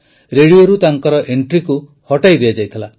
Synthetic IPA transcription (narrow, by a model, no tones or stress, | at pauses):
ɾeɽioɾut̪aŋkɔɾɔʔeɳʈɾiku | hɔʈajd̪ead͡ʒajt̪ʰila